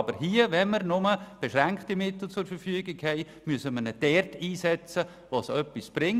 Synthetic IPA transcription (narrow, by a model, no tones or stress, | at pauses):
bəɾɦiəʋɛnməɾnʊməb̥ɛʃɾɛŋktimɪtl̩ˠt͡sʊɾfəɾfyəɡɪɡhɛɪ | myəsəmənəd̥ɛrtiːsɛt͡sə | ʋɑsœpːisb̥ɾɪŋ